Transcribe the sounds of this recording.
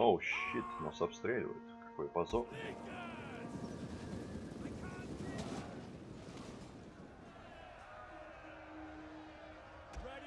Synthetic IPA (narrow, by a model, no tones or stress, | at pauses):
oɕːit̪nosɐpst̪ɾʲelʲɪ̰və̰jɪ̰t̪kɐ̥kojpɐzorn